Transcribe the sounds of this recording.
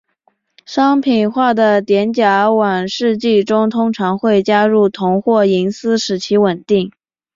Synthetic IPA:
ʂɑ˥ŋpʰi˨˩nxwa˥˩d̪ə˩t̪jɛ˧˥nt͡ɕja˧˥wa˨˩ŋʂɻ̩˥˧t͡ɕi˥˩ʈ͡ʂʊ˥ŋt̪ʰʊ˥ŋʈ͡ʂʰɑ˧˥ŋxwe˥˩ɪt͡ɕja˥ɻu˥˩t̪ʰʊ˧˥ŋxwɔ˥˩i˧˥ŋsɹ̩˥ʂɻ̩˨˩t͡ɕʰi˧˥wə˨˩nt̪i˥˩ŋ

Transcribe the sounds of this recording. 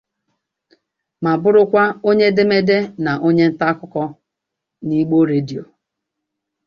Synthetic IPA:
ma˨bʊ˦ɾʊ˦kʷa˦o˦ɲe˦de˦me˦de˦na˨ʔo˦ɲe˦n̩˦ta˦kʊ˦kɔ˦ | ni˦ɡ͡bo˦ɾe˦di˨o˨

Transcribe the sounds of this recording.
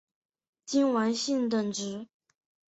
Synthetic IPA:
t͡ɕi˥nwa˧˥nɕi˥˩nt̪ə˨˩ŋʈ͡ʂɻ̩˧˥

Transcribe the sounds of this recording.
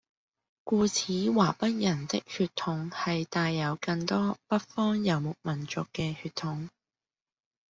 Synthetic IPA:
kuː˧t͡sʰiː˨˥waː˨˩pɐ˥t̚jɐ˨˩nt͡sɪ˥k̚hyː˧t̪ʰʊ˨˧ŋhɐ˨jt̪aː˧jːɐ˨˧wkɐ˧ŋt̪ɔː˥pɐ˥t̚fɔː˥ŋjɐ˨˧wmʊ˨k̚mɐ˨˩nt͡ʃʊ˨kːɛː˧hyː˧t̪ʰːʊ˨˧ŋ

